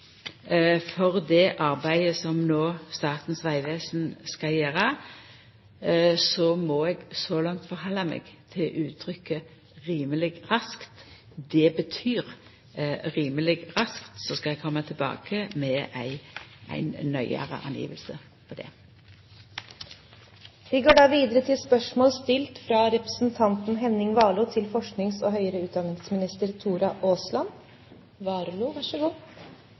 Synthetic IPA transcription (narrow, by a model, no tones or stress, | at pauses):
fɔʁd̪ɛʔɑʁbæɪəsɔmnoːst̪ɑːʁt̪n̩sʋæɪʋeːsn̩skɑljeːʁə | sɔmɔɛɡsɔlɑŋt̪fɔʁhɑlːɑmɛ̰ːɡt̪ʰɪlʔʉːt̪ʰɾʏkːə | ʁiːməlɪɡʁɑskt̪ | d̪ɛbət̪ʰyːʁ | ʁiːməlɪɡʁɑskt̪sɔskɑlɛɡ̚kʰɔmːət̪ʰɪlbɑ̰ːkəmɛʔæɪæ̰ɪnnœʏə̰ɾə̰ʔɑ̰njḭːʋəlsə | pʰɔd̪ɛ̰ | ʋɪɡoːɖɑːʋiːd̪əɾət̪ʰɪlspœʂmoːlst̪ɪlt̪fɾɑɾɛpɾəsn̩t̪ʰɑnt̪n̩ɦɛnɪŋʋɑːlʊːt̪ʰɪlfɔʂknɪŋsoːɦœʏəɾəʉːt̪̚d̪ɑnɪŋsmɪnɪst̪əɾt̪ʰuːɾɑʔoːslɑn | ʋɑːɾluːʋɑʂəɡuː